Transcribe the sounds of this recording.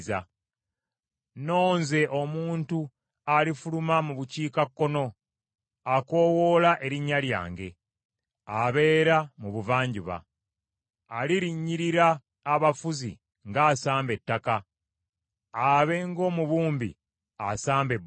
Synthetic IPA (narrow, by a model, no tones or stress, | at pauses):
za | no̞ːnze̞ʔo̞muːntu | alifulumamuβuciːkakːo̞no̞ | ako̞ːwo̞ːlaʔe̞ɾiɲːalja̰ːŋɡe̞̰ | aβe̞ːɾamuβuvaːɲɟiβa̰ | liɾiɲːiɾiɾaː | βafuzḭ | ŋɡaːsaːmbe̞tːaka | aβe̞ŋɡo̞ːmuβuːmbḭ | asaːmbe̞b